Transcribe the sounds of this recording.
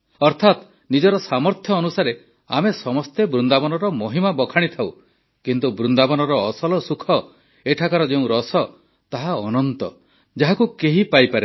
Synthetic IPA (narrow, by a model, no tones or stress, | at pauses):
ɔɾt̪ʰat̪ | nid͡ʒɔɾɔsamɔɾt̪ʰjɔːnusaɾe | a̰mesɔmɔst̪ebɾund̪abɔnɔɾɔmɔɦimabɔkʰaɽ̃it̪ʰaw | kint̪ubɾund̪abɔnɔɾɔːsɔlɔsukʰɔ | eʈʰakaɾɔd͡ʒeũɾɔsɔ | t̪aɦaɔnɔnt̪ɔ | d͡ʒaɦakukeɦipajpaɾe